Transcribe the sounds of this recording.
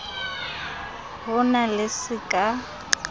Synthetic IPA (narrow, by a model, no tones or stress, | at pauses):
ɦʊnalɪsɪkʼa